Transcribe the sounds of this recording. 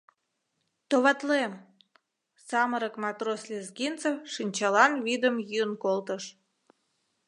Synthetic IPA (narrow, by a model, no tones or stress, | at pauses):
t̪oβɑt̪lem | sɑməɾəkmɑt̪roslʲezɡint͡səfʃinʲt͡ɕɑlɑnβid̪əmjyənkolt̪əʃ